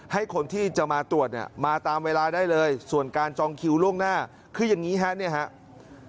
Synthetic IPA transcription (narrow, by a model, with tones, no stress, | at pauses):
ha˥˩jkʰo˧nt̪ʰiː˥˩t͡ɕa˨˩maː˧t̪u˨˩ət̪̚nḭ˥˩əmaː˧t̪aː˧mweː˧laː˧daː˥˩jlɤː˧jsu˨˩ənkaː˧nt͡ɕɔː˧ŋkʰi˧wlu˥˩əŋnaː˥˩ | kʰɯː˧ja˨˩ŋiː˦˥ɦɛ˦˥ʔni˥˩ɦa˦˥ʔ